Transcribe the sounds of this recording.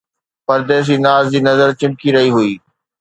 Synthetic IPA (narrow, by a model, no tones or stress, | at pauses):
pɐɾd̪eːs̬d͡ʑiːnaːzd͡ʑiːnɐzəɾt͡ɕɪ̃mkiɾɐɦiɦʊiː